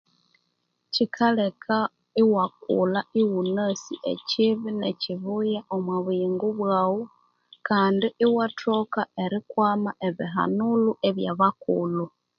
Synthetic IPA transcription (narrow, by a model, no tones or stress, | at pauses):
cikʰalekʰa | iwak̚ṵlaiwunasiʔḛciβineciβujaʔomwaβiːŋɡuβwaːwo | kaːndiʔiwatʰokae̞ɾikwaːmaʔe̞βiɦa̰nuluʔeβja̰βakulu